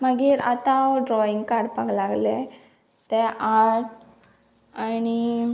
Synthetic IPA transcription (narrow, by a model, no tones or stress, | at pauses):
məɡiːɾa̰t̪aɖɾɔiŋɡkaɾɽpaɡlaɡle | t̪eʔaɾʈ̚ | añi